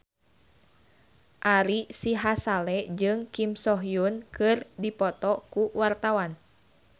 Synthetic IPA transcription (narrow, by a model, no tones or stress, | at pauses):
ʔaɾisiɦasalɛd͡ʒɨŋkimsɔɦjunkɨrdipɔt̪ɔkuwart̪awan